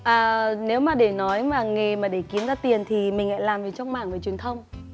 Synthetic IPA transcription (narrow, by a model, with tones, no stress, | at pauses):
ʔaː˨˩ne˨˦wmaː˨˩ɗe˧˩nɔ˨˦jmaː˨˩ŋe˨˩maː˨˩ɗe˧˩ki˨˦ənzaː˨˦t̪i˨˩ənt̪ʰi˨˩mï˨˩ŋla̰ː˧˥jlaː˨˩mvi˨˩t͡ɕɔ˧wŋ͡mmaː˧˩ŋvəː˨˩t͡ɕwi˨˩ənt̪ʰə˧wŋ͡m